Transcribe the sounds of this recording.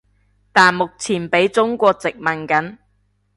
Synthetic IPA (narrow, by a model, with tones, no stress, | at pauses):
t̪aː˨˩nmʊ˨k̚t͡sʰiː˨˩npe˨˥jt͡sʊ˥ŋkʷɔː˧k̚t͡sɪ˨k̚mɐ˨nkɐ˨˥n